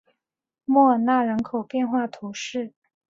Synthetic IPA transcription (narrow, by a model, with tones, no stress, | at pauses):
mwɔ˥˧na˥˩ɻə˧˥nkʰo˨˩ʊpjɛ˥˧nxwa˥˩t̪ʰu˧˥ʂɻ̩˥˩